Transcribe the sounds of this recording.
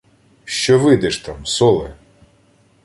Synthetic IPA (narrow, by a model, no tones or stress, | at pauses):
ʃt͡ʃɔʋɪd̪ɛʃt̪amsɔlˠe